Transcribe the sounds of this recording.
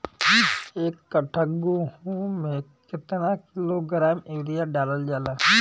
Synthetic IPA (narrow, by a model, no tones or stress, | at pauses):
eːkːəʈʰəɡohumẽkɪt̪nakɪloɡɾaːmeːɾijaɖaːləld͡ʒaːlaː